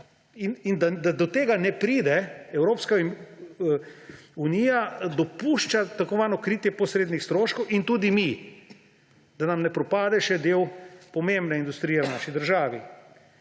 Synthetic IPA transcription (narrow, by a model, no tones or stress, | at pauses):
inind̪ad̪ad̪ɔt̪eːɡanɛpɾiːd̪ɛɛwɾoːpska | uniːjad̪ɔpuʃt͡ʃat̪akɔʋaːnɔkɾiːt̪jɛpɔsɾeːd̪nixst̪ɾoːʃkɔwʔint̪uːd̪imi | d̪̥anamnɛpɾɔpaːd̪ɛʃɛd̪eːwpɔmẽmbnɛind̪ust̪ɾijɛwnaʃid̪əɾʒaːʋi